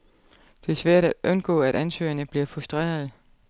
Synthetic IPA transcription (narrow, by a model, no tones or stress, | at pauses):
d̥e̝æɐsʋæɐ̰ɾ̥æ̥ɔ̽nɡ̥ɔ̰̽ːæɾ̥ænsø̰ːɐnəb̥liɐfʁusd̥ʁḛːɐð̞ˠ